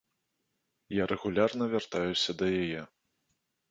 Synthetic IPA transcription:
jaɾɛɣulʲarnɐvʲart̪ajusʲɐd̪ɐjajɛ

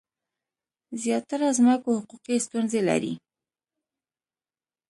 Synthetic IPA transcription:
zjɑt̪aɾazməkohʊquqist̪unzela̰ɾḭ

